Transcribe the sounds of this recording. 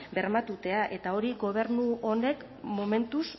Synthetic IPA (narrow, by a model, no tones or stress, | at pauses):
be̞ɾmat̪ut̪e̞aʔe̞t̪ao̞ɾiɣo̞β̞e̞ɾnuo̞ne̞k | mo̞me̞nt̪us